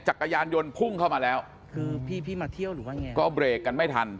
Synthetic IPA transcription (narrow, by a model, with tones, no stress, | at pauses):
t͡ɕa˨˩kːa˧jaː˧njo˧npʰu˥˩ŋkʰa˥˩wmaː˧lɛː˦˥w | kʰɯː˧pʰiː˥˩pʰiː˥˩maː˧t̪ʰi˥˩əwɾɯː˩˦waː˥˩ŋɛ˧kɔː˥˩bɾeː˨˩kːa˧nma˥˩jt̪ʰa˧n